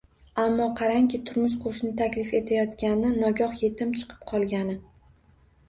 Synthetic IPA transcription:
amːɒqʰɑɾaŋkʲʰɪt̪ʰʊɾmʊʃ̬qʰʊɾʊʃnɪt̪ʰakʲlɪfe̞t̪ʰajɒt̪kʲanɪnɒɡʲɒχje̞t̪ʰɪmt͡ʃʰɨ̥qʰɨ̥p̚qʰɒlˠɡʲanɪ

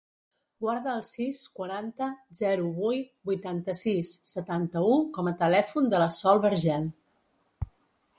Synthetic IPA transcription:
ɡwaɾðəːlˠsiskwəɾant̪əzɛɾuβujt̪bujt̪ant̪əsisːət̪ant̪əukɔmət̪əlɛfund̪ələsɔlˠβəɾʒɛn

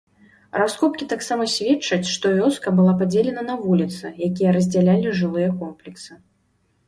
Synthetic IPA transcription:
raskɔpkʲit̪aksamɐsʲvʲɛt͡ʂɐt͡sʲʂt̪ɔvʲɔskɐbɨlˠapad͡zʲelʲɛnɐnɐvulʲit̪sɨjakʲijɐɾɐzʲd͡zʲalʲalʲiʐɨlˠɨjɐkɔmplʲiksɨ

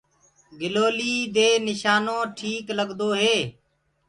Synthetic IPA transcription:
ɡɪloːliːd̪eːnɪʃaːnõːʈʰiːkləɠd̪oːɦeː

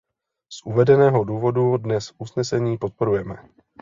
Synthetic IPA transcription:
sʔuvɛdɛnɛːɦo̞duːvo̞dudnɛsʔusnɛsɛɲiːpo̞t̪̚po̞ɾujɛmɛ

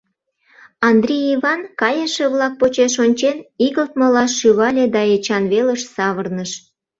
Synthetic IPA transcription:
ɑnd̪rʲijiβɑnkɑjəʃeβlɑk̚pot͡ɕeʃonʲt͡ɕeniɣəlt̪molɑʃyβɑlʲed̪ɑet͡ɕɑnβeləʃsɑβərnəʃ

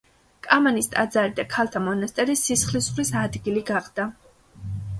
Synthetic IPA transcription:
kʼamanist̪ʼad̪zaɾid̪akʰalˠt̪ʰamɔnast̪ʼɛɾisisχlisχlisad̪ɡiliɡaχd̪̥a

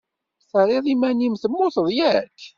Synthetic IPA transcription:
θəɾˤeðˤimænimθəmːʊθəðˤjæk

